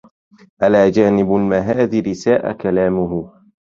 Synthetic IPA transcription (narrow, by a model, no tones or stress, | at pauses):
ʔalaːd͡ʒaːnɪbalmaɦaːðɪɾɪsaːʔa̰kalaːmʊɦʊ